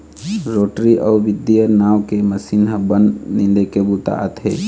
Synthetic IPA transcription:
ɾoːʈɾiʔɔːʋɪd̪ijənaːʋkeməsinɦəbənnilekebut̪a̰ʔət̪ʰeː

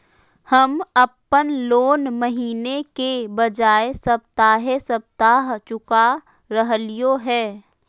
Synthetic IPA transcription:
həməpːənloːnməɦiːnekebəd͡ʒaːesəb̚t̪aːɦesəb̚t̪aːɦt͡ʃʊka | ɾəɦlɪjoɦɛː

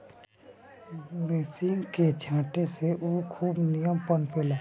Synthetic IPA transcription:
beːsɪŋɡket͡ʃʰãːʈeseʔuːkʰuːbnijəmpənpʰeːlaː

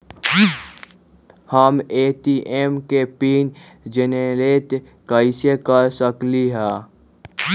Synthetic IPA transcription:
həmeːt̪iːʔeːmkepiːn | d͡ʒeneɾeːt̪ | kəɪsekəɾsəkliɦɛ̃ː

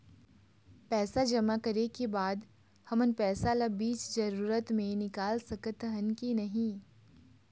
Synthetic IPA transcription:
pɛːsad͡ʒɐmakɐɾekebaːd̪ | hɐmənpɛːsalabiːt͡ʃzɐɾuːɾət̪mẽnɪkaːlsɐkət̪ɦənkinɐɦĩ

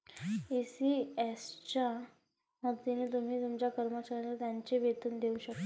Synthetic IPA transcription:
isiest͡ɕa | məɡt̪inet̪um̤iːt̪umt͡ɕjakəɾmət͡ɕaɾjãlat̪jaɲt͡ɕeʋet̪uːnd̪euɕəkt̪o

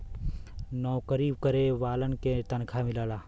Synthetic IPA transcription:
nɔːkəɾiːb̚kəɾeʋaːlənket̪ɐnkʰamɪlaːlaː

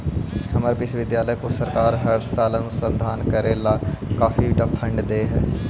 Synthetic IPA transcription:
həməɾpɪsʋɪd̪jaːləjːkõsəɾkaːɾɦəɾsaːlənusənd̪ʱaːnkəɾeːlaːkaːfiɖapʰəɳɖd̪eːɦɛ̰ː

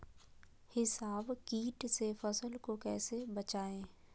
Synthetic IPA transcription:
hɪsaːbkiːʈsefɐsəlkokɛːsebɐt͡ʃaːẽː

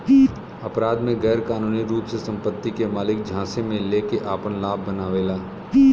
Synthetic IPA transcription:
ɐpɾaːd̪mẽɣɛːɾkaːnuːniɾuːpsesɐ̃mpət̪ːikemaːlɪk̚d͡ʒʱãːsemẽleːkeʔaːpənlaːb̚ʱːənaːʋeːlaː

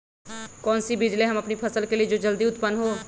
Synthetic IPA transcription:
kɔːnsibɪd͡ʒleɦɐmɐpnipʰɐsəlkelied͡ʒoːd͡ʒɐld̪iʊt̪pənɦo

